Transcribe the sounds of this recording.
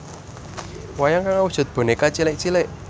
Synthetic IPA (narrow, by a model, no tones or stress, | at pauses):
wajaŋkaŋawu̥ʒ̥ṳt̪̚b̥o̤nekat͡ʃilɪʔt͡ʃilɪʔ